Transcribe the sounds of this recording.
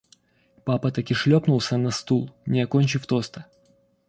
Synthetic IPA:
papɐt̪ɐkɪʂlʲopnulˠsʲənɐst̪ulˠnʲɪɐkonʲt͡ɕɪft̪o̞st̪ə̥

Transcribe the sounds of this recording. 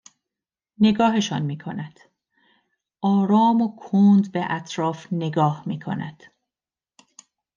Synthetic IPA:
ne̞ɡɒːɦeʃɒ̰ːnmiːkʰonæd̪̥ | ʔɒːɾɒːmokʰoːnd̪beʔæt̪ʰɾɒːfne̞ɡɒːhmiːkʰo̞̰næ̰d̪̥

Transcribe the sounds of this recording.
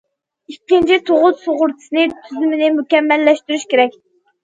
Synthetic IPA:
ikʲːint͡ʃʰit̪ʰoʁʊt̪soʁʊɾt̪ʰɨ̥sɨnɪt̪ʰyzymɪnɪmukʲɛmːɛlːɛʃt̪yɾyʃkʲeɾɛk̚ʲ

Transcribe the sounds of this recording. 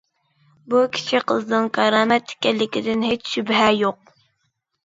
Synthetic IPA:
bukʲʰi̥t͡ʃʰiqʰəznɨŋkʰɑɾɑːmɛt̪ʰːɪ̥kʲɛlːɪkʲid̪ɪnɦet͡ʃʃybɦɛjoq̚

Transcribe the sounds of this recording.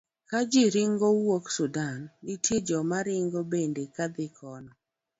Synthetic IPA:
kad͡ʒɪɾɪŋɡowoksudanːitjed͡ʒɔmaɾɪŋɡobendekad̪ɪkʰɔnɔ

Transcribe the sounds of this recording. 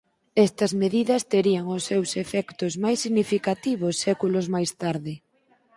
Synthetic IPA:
ɛst̪ɐzmeðiðɐst̪eɾiɐŋʊsːewsefɛkt̪ʊzmajsiɣnifikat̪iβ̞ʊsːɛkulozmajst̪aɾðɪ

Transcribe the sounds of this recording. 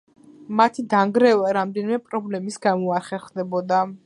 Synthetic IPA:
mat̪ʰid̪aŋɡɾɛvaɾamd̪ɛnimɛpʼɾɔblɛmisɡamɔaɾχɛχd̪ɛbɔd̪a

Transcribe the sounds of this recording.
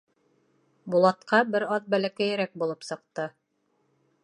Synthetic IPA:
bulˠɑt̪qɑbɘɾɑðbælækæjɘ̆ɾæk̚bulˠɤpsɤ̆q̚t̪ɤ

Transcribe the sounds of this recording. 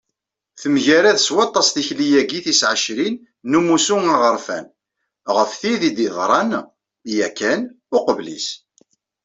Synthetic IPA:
θəmʝæɾæðəswɑt̪ˤːɑsθiçlijæɡiθisʕəʃɾinː | umusuŋaʁəɾˤfæ̰n | ʁəfθiðid̪iðˤɾˤɑn | jækːæn | ʊqəvlḭs

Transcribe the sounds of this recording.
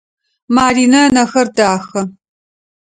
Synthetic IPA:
maːriːnɐnɐxɐrdaːxɐ

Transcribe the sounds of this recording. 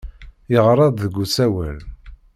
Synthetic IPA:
jəʁɾˤɑd̪ðəɡːut͡sːæwæ̰l

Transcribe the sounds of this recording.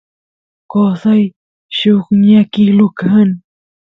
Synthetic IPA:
kosaj | ʃʊkɲakilʊkan

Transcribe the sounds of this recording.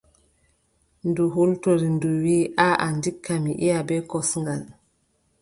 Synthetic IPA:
nduɦultoɾinduwiːʔaʔandikʰːamiʔijabɛkɔsŋɡal

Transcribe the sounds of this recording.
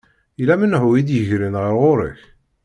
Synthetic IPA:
ilæmənhuid̪jəʝɾinʁiʁʊɾə̰ç

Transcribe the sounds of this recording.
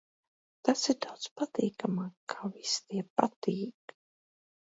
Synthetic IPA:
t̪asiɾd̪awd̪spat̪iːkamaːkʰavist̪iɛpat̪iːk

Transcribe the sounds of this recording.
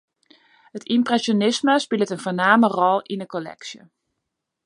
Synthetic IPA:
hətimprɛsonɪsməspɪlˠətənvoːnaːmərɔlˠindəkolɛ̰ksjə̰

